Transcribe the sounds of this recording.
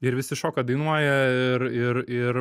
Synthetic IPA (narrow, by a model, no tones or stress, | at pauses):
ɪɾʋʲɪsʲɪʃoːkɐd̪ɐɪnuɔjɛɪɾɪɾɪr